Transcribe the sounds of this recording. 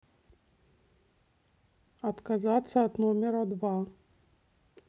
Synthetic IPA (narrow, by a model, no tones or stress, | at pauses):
ɐt̪kazat̪sːɐɐt̪nɔmʲɛɾɐd̪va